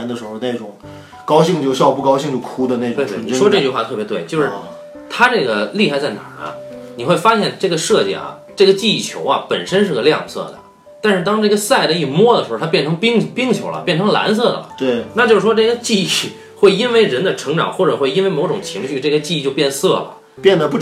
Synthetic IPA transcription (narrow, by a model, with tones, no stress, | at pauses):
ɛ˥nd̪ə˧ʂɻ̩˧˥xo˧ne˥˩ɪʈ͡ʂʊ˨˩˦ŋ | kɑ˥ʊɕi˥˧ŋt͡ɕjo˥˧ʊɕjɑ˥˧ʊpu˥˩kɑ˥ʊɕi˥˧ŋt͡ɕjo˥˩ʊkʰu˥d̪ə˨˧ne˥˩ʈ͡ʂwe˥˧t̪ni˧˩ʂɔ˥ʈ͡ʂɤ˥˧t͡ɕy˧xwa˥˧t̪ʰɤ˥˩bjt̪we˥˩ɪt͡ɕjo˥˧ʊʂɻ̩˥˩ | t̪ʰa˥ʈ͡ʂɤ˥˩ɡə˩li˥˩xa˥˧t͡sa˥˩ɪna̰˨˩ɐ̰˦ni˨˩xwe˥˩ɪfa˥ɕjɛ˥˧nʈ͡ʂɤ˥˩ɡə˩ʂɤ˥˧t͡ɕḭ˨˩ɐ̰˩ | ʈ͡ʂɤ˥˩ɡə˩t͡ɕi˥˧˥t͡ɕʰjo̰˧˥ʊɐ̰˧pə̰˨˩nʂə˥nʂɻ̩˥˩ɡə˩ljɑ̰˥˧ŋsɤ̰˥˩d̪ə̰˩ | t̪a˥˧nʂɻ̩˥˧t̪ɑ˥ŋʈ͡ʂɤ˥˩ɡə˩sa˥˩ɪd̪ə˩i˥˩mwɔ˥d̪ə˩ʂɻ̩˧˥˧t̪ʰjnʈ͡ʂʰɤ˧˥ŋpi˥ŋpi˥ŋt͡ɕʰjo˧˥ʊlə̰˧pjɛ˥˩nʈ͡ʂʰɤ˧˥ŋla̰˧˥ns̬ɤ˥˩d̪ə̰˨lə̰˩t̪we˥˩ɪna˥˧t͡ɕjo˥˧ʊʂɻ̩˥˩ʂwɔ˥ʈ͡ʂɤ˥˩ɡə˩t͡ɕi˥˧i˥˩ | xwe˥˩ɪi˥nwe˥˩ɪɻə˧˥nd̪ə˧ʈ͡ʂʰɤ˧˥ŋʈ͡ʂɑ̰˨˩ŋxwɔ˥˩ʈ͡ʂə˨˩xwe˥˩ɪi˥nwe˥˧ɪmo˧˥ʊʈ͡ʂʊ˨˩ŋt͡ɕʰi˧˥ŋɕy˥˧ʈ͡ʂɤ˥˩ɡə˩t͡ɕi˥˧˥t͡ɕjo˥˧ʊpjɛ˥˧nsɤ˥˩lə̰˩ | pjɛ˥˩nd̪ə˩pu˥˩